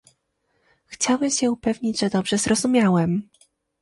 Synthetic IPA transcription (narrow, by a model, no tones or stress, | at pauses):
xt͡ɕawɛmɕɛupɛvɲid͡ʑʐɛd̪ɔbʐɛzɾɔzumʲjawɛm